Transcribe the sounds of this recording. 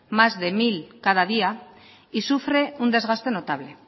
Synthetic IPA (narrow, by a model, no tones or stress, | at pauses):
mazðe̞milkað̞að̞ia | isufɾe̞und̪e̞zɣast̪e̞no̞t̪aβ̞le̞